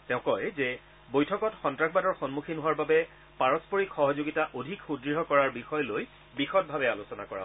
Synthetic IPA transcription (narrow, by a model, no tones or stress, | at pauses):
tɛʊ̃kɔjzɛ | bojtʰɔkɔtxɔntɹaxbadɔɹxɔnmukʰinɦʊwaɹbabɛ | paɹɔspɔɹikxɔɦɔzoɡitaʔodʱikxudɹiɦɔkɔɹaɹbixɔjloj | bixɔt̚bʱabɛalosɔna̰kɔɹa̰